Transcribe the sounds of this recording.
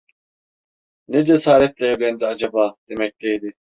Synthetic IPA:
ned͡ʒɛsaːɾɛt̪̚lɛeɡ̪end̪ɐd͡ʒɐbaːd̪̥emɛk̚d̪̥ejd̪i

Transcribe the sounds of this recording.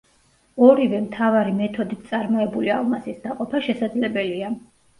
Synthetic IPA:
ɔɾivɛmt̪ʰavaɾimɛt̪ʰɔd̪it̪sʼaɾmɔɛbulialˠmasisd̪aqʼɔpʰaʃɛsad̪zlɛbɛlia

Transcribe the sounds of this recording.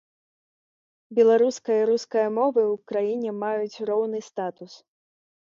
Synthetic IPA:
bʲɛlˠaɾuskɐjɐɾuskɐjɐmɔvɨwkɾajinʲɛmajut͡sʲrɔwnɨst̪at̪us

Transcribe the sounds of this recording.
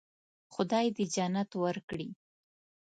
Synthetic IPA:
xʊd̪ɑjd̪əd͡ʒanat̪wəɾkɽi

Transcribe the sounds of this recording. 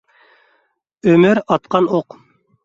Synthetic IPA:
ømyɾɑt̪̚qɑnoq

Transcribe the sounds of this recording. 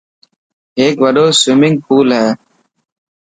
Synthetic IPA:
ɦeːkʋəɖoːswɪmɪ̃ŋɡ̚pʰuːlɦɛː

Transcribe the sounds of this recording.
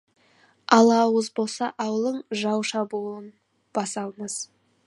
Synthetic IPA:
ɑlˠɑwəzbo̞lˠsɑʔɑwəlˠəɴʒɑwʃɑbuən | b̥ɑsɑlˠməz̥

